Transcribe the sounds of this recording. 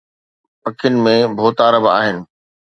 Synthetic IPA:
pɐkʰɪnɪ̆mẽbʱoːt̪aːɾəba̰ːɦɪnɪ̆

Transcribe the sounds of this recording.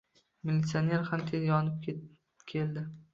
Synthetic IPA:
milʲːit̪sione̞ɾhamt̪ʰeljjɒnɪp̚ | kʲʰeld̪ɪ

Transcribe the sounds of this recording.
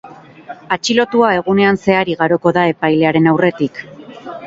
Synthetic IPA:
at͡ʃilo̞t̪uae̞ɣ̞une̞anse̞aɾiɣaɾo̞ko̞ðae̞pajle̞aɾe̞nawre̞t̪ik

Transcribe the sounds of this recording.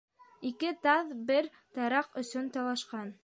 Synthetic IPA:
ikɘt̪ɑðbɘɾ | t̪ɑɾɑqɵ̆sɵnt̪ɑlˠɑʃqɑn

